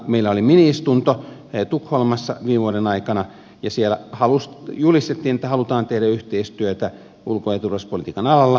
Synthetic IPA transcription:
meilːæoliminiist̪unt̪ot̪ukholmɑsːɑ̰ʋiːʋuoɾenɑikɑnɑ | jɑsielæhɑlusjulist̪et̪ːiːnet̪ːæhɑlut̪ɑːnt̪ehdæyht̪eist̪yøt̪æ | ʔulkoet̪urʋɑspolit̪iːkɑnɑlɑlːɑ

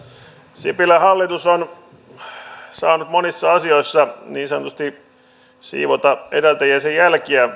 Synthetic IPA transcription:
sipilæhɑlːit̪uson | sɑːnut̪monisːɑɑsioisːɑniːnsɑnot̪ust̪i | sḭːʋot̪ɑḛdælt̪æjæsejjælkiæ

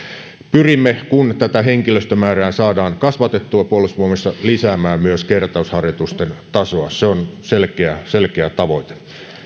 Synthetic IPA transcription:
pyrimːekunt̪æt̪æɦeŋkiløst̪ømæːræːsɑːdɑːŋkɑsʋɑt̪et̪ːuɑpuolusʋuomesːɑlisæːmæːmyøskert̪ɑushɑrjot̪ust̪ent̪ɑsoɑseonselkeæselkeæt̪ɑʋoit̪e̥

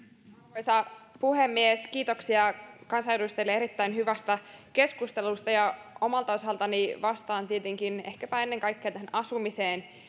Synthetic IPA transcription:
kojsɑpuhemːieskiːt̪o̞ksiɑkɑnsɑjeɾust̪elːeeɾit̪ːæinhyʋæst̪æke̞skust̪elust̪ɑjɑo̞mɑlt̪ɑosɑlt̪ɑniʋɑst̪ɑːnt̪iet̪eŋkinehkæpæe̞nːe̞ŋkɑjkːeɑt̪æɦænɑsumiseːn

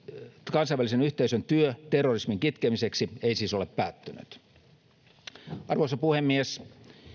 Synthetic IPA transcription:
kɑnsɑjʋælisenyht̪eisønt̪yøt̪erːorismiŋkit̪kemiseksiejsiːso̞lepːæːt̪ːyny̰t̪ | ɑrʋosɑpuhemːies

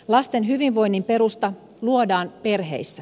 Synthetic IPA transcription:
lɑst̪e̞nɦyʋinʋo̞jnːimpe̞ɾust̪ɑ | luodɑːnpe̞rɦe̞̰jsːæ

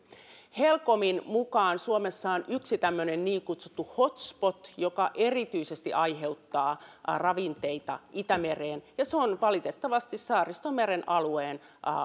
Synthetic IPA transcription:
helko̞minmukɑːnsuomesːɑonyksit̪æmːønenniːŋkut̪su̥t̪ːuhot̪spot̪jokɑʔerit̪yisest̪iʔɑjɦe̞ut̪ːɑːrɑʋint̪eit̪ɑ̰ʔit̪æmereːnjɑseonʋɑlit̪et̪ːɑʋɑst̪issɑːrist̪omeɾenʔɑlueːn

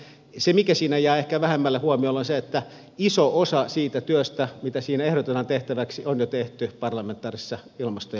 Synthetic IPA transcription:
semikæsiːnæjæːehkæʋæhemːælːehuɑmiolonseet̪ːæ | isoosɑsiːt̪æt̪yøst̪æmit̪æsiːnæehɾot̪enɑnt̪eht̪æʋæksionjot̪eht̪ypɑrlɑment̪ːˑɑːrisːɑ | ilmɑst̪o

